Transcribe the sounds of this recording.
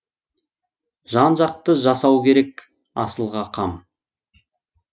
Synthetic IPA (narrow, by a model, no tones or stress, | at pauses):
ʒɑnʒɑq̚t̪əʒɑsɑwkʲʰe̞ɾe̞k | ɑ̰səlˠʁɑqʰɑm